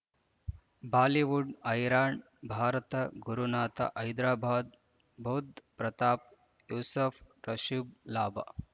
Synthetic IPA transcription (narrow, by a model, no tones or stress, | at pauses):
baːliʋuɖɐjɾaːɳ | bʱaːɾɐt̪ɐɡuɾunaːt̪a̰ʔɐjd̪ɾaːbʱaːd̪̚ | bʱɐwd̪pɾɐt̪aːp̚ | juːsɐf | ɾɐʃiblaːba̰